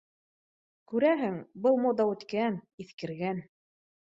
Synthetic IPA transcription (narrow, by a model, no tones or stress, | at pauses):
kʉɾæɦɘŋbɤlˠmod̪ɑʉt̪kæniθkɘ̆ɾɡæn